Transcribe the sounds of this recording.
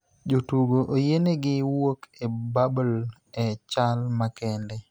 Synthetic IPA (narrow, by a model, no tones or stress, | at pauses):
d͡ʒotuɡoʔojeneɡɪwokebabl | ɛt͡ʃalmakɛndɛ